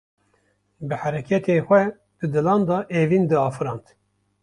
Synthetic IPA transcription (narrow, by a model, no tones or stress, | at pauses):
bɨħæɾɛkʰɛt̪ʰeːxʷɛ | d̪̥ɨd̪ɨlɑːnd̪ɑːʔeːviːnd̪ɨɑːfɨɾɑːnt̪